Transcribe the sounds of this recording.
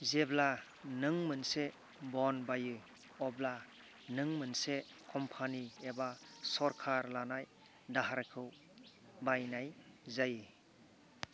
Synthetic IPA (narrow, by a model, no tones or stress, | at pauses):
zebla | nɯŋmɯnse | bɔnbajɯ | ɔbla | nɯŋmɯnse | kʰɔmpʰaniebasɔɾkʰaɾlanaj | daɦaɾkʰɯw | bajnajzajɯ